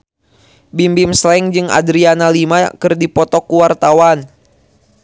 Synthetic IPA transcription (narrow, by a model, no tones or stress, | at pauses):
bimbimslɛŋd͡ʒɨŋa̰dɾianalimakɨrdipɔt̪ɔkuwart̪awan